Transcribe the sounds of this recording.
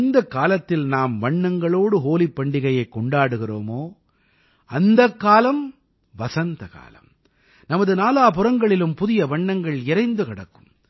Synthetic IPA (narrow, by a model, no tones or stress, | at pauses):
nd̪ɐkːaːlɐt̪ːɪlnaːmʋɐɳːɐŋɡɐɭoːɽɯɦoːlipːɐɳɖɪɣɐjɐɪkːɔɳɖaːɽɯɣɪroːmoː | ɐnd̪ɐkːaːlɐm | ʋɐsɐnd̪ɐka̰ːlɐ̰m | nɐmɐðɯnaːlaːp̬ʊrɐŋɡɐɭɪlɯmpʊðɪjɐʋɐɳːɐŋɡɐɭɪɾɐɪnd̪ɯkɪɽɐkːɯ̥m